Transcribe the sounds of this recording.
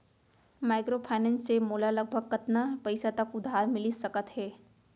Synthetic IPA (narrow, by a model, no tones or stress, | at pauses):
maːɪkɾopʰaːɪnɛ̃ːnsːemoːlalɐɡ̚bʱəɡ̚kɐt̪napɐɪsat̪ɐkʊd̪ʱːaːɾmɪlisɐkət̪ɦɛː